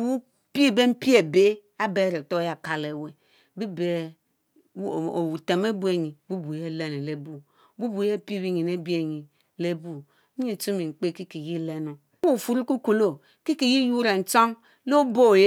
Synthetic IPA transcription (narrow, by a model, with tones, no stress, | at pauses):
wu˦ | pi˦˨be˦m̩˦pi˦e˨be˦ | a˦be˦˨ɾe˨to˦ja˨ka˨le˨we˨ | bi˦be˨˦˨ | o˨wu˨te˨me˦bu˦e˨ɲi˨bu˦bu˨je˦˨le˦ne˨le˦bu˦ | bu˦bu˨je˦pi˦˨bi˦ɲi˨ne˦bi˦e˦˨ɲi˨ | le˦bu˦ | i˦˨t͡ʃu˦mi˨ŋ͡m̩˨k͡pe˦ki˦ki˨ji˦le˦no˨ | u˦u˨fu˨ɾi˦ku˦ku˨lo˦ | ki˦ki˨ji˦ju˦ɾe˨n̩˨t͡ʃo˦ŋ | lo˦bo˦˨˦